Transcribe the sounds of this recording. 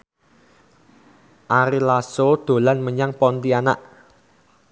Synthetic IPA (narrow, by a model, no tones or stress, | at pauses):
ʔaɾilasod̪̥o̤lanməɲaŋpɔnt̪iana̰ʔ